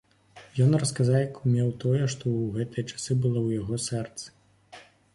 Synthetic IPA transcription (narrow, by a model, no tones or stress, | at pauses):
jɔnrɐskazawjɐkumʲɛwt̪ɔjɛʂt̪ɔwɣɛt̪ɨjɐt͡ʂḁsɨbɨlˠɔwjaɣɔsɛrt̪sɨ̥